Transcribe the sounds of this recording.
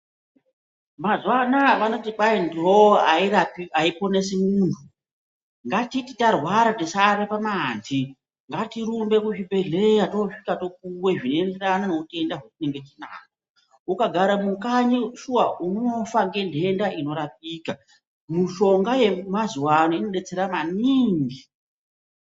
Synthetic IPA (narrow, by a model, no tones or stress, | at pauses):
mazwanaʋano̞tikaindɦoairapaipo̞ne̞semuːntʰu | ŋɡatititarwaɾatisarepamaːnzi | ŋɡatiɾumbe̞kuʐibʱe̞ɮe̞jatoʂikato̞k̚uweʐinoende̞ɾananeute̞ndaɦekuneŋɡe̞t͡ʃina̰ːka | ukaɡʱaɾamukaɲiʃuwaʔunoofaŋɡe̞ndʱe̞ndaʔino̞ɾap̚iːka | miʃo̞ŋɡaje̞mazuwanoino̞ɗe̞t͡se̞ɾamaniːŋɡi